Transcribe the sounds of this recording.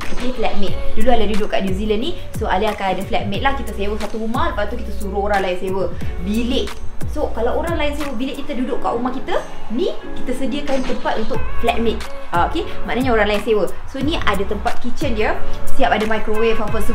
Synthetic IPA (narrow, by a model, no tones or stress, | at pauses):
t̪upiflɛt̚mɪʔ̚dulualandudʊʔkːaʔnjuzilənːĩ | soaliakanadaflɛt̚meʔ̪̚lahkit̪əsewəsat̪uumaləpast̪uki̥t̪əsuɾuhoɾaŋlaɪnsewəbilɪʔsokalawoɾaŋlaɪnsewəbilɪʔkːit̪ədudʊʔka̰ʔumahkit̪ənĩkit̪əsədiəkant̪əmpat̪unt̪ʊʔflɛʔ̚mɪk̪̚aokemã̰ʔnaɲaoɾaŋlaɪnsewəsonĩʔadat̪əmpat̪̚kit͡ʃəndiəsiapadamajkɾowefafəsə